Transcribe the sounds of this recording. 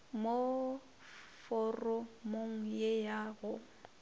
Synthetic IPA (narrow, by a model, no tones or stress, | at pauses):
mo | fɔrɔmoŋ̩jejaɣʊ